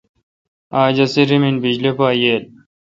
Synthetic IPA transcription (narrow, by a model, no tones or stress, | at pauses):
aːd͡ʑɐseɾiminbid͡ʑlepaːjeːl